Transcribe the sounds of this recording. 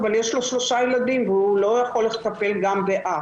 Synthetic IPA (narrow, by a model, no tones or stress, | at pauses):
valjeʃlo̞ʃlo̞ʃajelad̪imveulo̞jaχo̞lːet̪ape̞lɡambeʔa